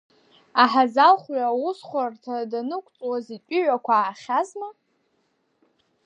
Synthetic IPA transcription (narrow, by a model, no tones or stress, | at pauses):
aħazalχʷɥawʊsχʷartʰadanɨkʷʰʼt͡sʼwazitʲʷʼʏʕʷakʷʰaːχʲazma